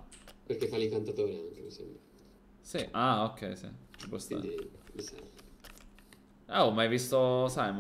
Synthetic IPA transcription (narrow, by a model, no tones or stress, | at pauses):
perk̟efːalikant̪at̪oːɾiaŋk̟emisḛmbɾa | siʔaokʰːɛjsḭt͡ʃi̥pɔst̪a̰misɛ̰ | aomːajvist̪osajm